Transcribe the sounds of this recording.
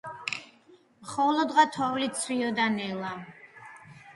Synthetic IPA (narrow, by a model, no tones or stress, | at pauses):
mχɔlˠɔd̪ʁat̪ʰɔvlit̪sʰwiɔd̪anɛlˠa